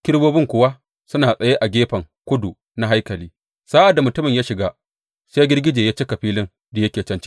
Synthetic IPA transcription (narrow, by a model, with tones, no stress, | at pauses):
kʲɪ˦ɽboː˦bɪ˦ŋkʷʊ˦wa˦ | sʊ˦naː˨sʼɐ˨je˦ʔa˨ɡʲeː˦ɸɐ˨ŋ | kʷʊ˦du˨ | na˦ɦa˦jkɐ˨liː˦ | sa˦ʔa˨dːa˨mʊ˨tʊ˦mɪ˨ɲjaː˦ʃɪ˨ɡa˦ | seː˦ɡʲɪ˦rɡʲɪ˦d͡ʒeː˨jaː˦t͡ʃeː˦kɐ˨ɸiː˦lɪ˦n | da˨jɐ˦kʲeː˨t͡ʃɐ˦nt͡ʃi̥˦